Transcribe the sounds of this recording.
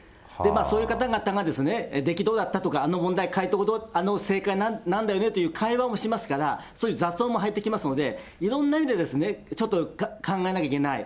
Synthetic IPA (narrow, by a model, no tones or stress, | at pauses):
d̪e̞maːso̞ːjɯ̟kat̪aɡat̪aŋad̪e̞sɨne̞d̪e̞kʲid̪o̞ːd̪at̪ːat̪o̞kaːno̞mõ̞nd̪aikait̪od̪oano̞se̞ːkainanãnd̪ajo̞ne̞t̪o̞jɯ̟ːkʰaiβamo̞ɕimasɨ̥kaɾasoːjɯ̟zaso̞ːmoɦait̪ːe̞kʲimasɨno̞d̪e̞ | iɾõ̞nːaimʲid̪e̞d̪e̞sɨne̞t͡ɕo̞t̪ːokkʰãŋɡae̞nakʲaikenai